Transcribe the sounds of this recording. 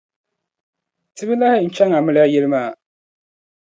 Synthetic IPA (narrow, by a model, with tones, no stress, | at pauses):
tɪ˦bɪ˦la˦hɪ˦n̩˦t͡ʃɛ˦ŋa˨mɪ˦lɪ˦a˦jɛ˦lɨ˦maː˦˨